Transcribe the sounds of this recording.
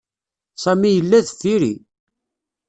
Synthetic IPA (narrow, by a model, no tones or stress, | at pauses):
sˤæmijəlːæðəfːiɾḭ